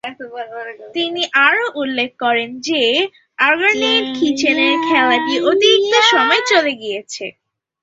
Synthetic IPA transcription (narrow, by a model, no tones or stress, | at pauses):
t̪iniʔaɾoʔulːek̚ʰkɔɾend͡ʑe | aɾɡaɾninkʰit͡ɕʰeneɾkʰɛlapiʔot̪iɾik̚t̪oʃɔmɔet͡ɕoleɡijet͡ɕʰḛ